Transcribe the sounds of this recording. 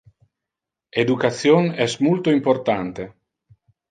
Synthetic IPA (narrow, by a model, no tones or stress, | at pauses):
ed̪ukat̪sjonɛsmult̪oimpoɾt̪ant̪e